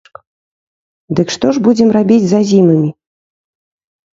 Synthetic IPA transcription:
d̪ɨkʂt̪ɔʐbud͡zʲɛmrabʲid͡zʲzazʲimɐmʲi

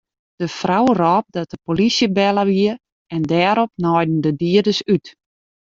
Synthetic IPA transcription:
d̥əfrawrɔːp̚dɔt̚əpolisjəbɛləʋiə | ɛndɛːɾɔp̚nɔjdn̩dədiədəsyt

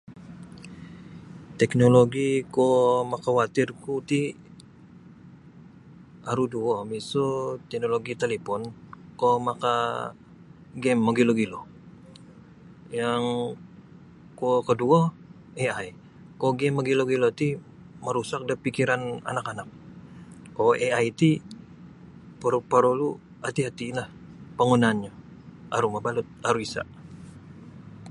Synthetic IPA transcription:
t̪ɛknoloɡikomakawat̪ɪrkut̪i | aɾuduɔmisot̪ɛk̚noloɡit̪elepɔnkomaka | ɡɛmːaɡiloɡilo | jaŋ | kokədua | eaj | koɡɛmːəɡiloɡilot̪i | məɾusak̚dapikiɾana̰nakanak̚ː | oʔeajt̪i | pəɾupəɾulu | at̪iɦat̪ilahpəŋunanɲa | ʔaɾumabalut̪̚aɾuisa̰ʔ

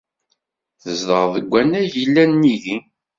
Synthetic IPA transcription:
θəzd̪əɾˤðəɡʷːænæjilːænːiði

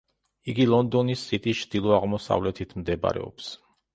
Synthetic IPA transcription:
iɡilˠɔnd̪ɔnisːit̪ʼit͡ʃʰd̪̥ilˠɔaʁmɔsa̰vlɛt̪ʰit̪ʰmd̪ɛba̰ɾɛ̰ɔ̰ps

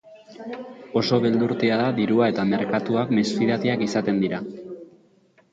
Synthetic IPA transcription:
o̞so̞βeld̪uɾt̪eaðaðiɾuae̞t̪ame̞ɾkat̪uakme̞sfiðat̪eakisat̪e̞nd̪iɾa

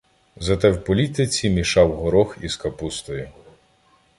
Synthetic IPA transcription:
zɐt̪ɛwpɔlʲit̪ɪt͡sʲimʲiʃɑwɦɔɾɔxiskɐpust̪ɔji

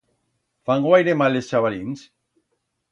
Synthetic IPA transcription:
faŋɡwajɾemalest͡ʃaβalins

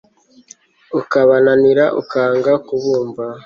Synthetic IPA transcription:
ukaβananiɾaʔṵkaːŋɡakuβuːmba

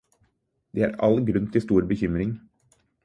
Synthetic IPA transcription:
d̪eːæ̰ːɾɑ̰lɡɾʉnt̪ʰɪst̪uːɾbəçʏmɾɪŋ

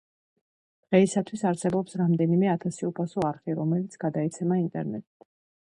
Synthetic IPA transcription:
d̪̥ʁɛisat̪ʰwisaɾsɛbɔpsɾamd̪ɛnimɛat̪ʰasiupʰasɔaɾχiɾɔmɛlit̪sʰɡ̥ad̪aɛt̪sʰɛmaint̪ʼɛ̰ɾnɛ̰t̪ʼid̪̥

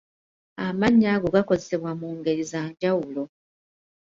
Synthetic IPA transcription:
amaɲːaːɡo̞ɡako̞zese̞βwamuːŋɡe̞ɾizaːɲɟawulo̞

